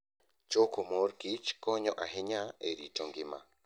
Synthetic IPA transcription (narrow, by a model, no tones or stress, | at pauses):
t͡ʃokomoɾkit͡ʃkɔɲɔʔaɦɪɲaeɾitoŋɡɪma̰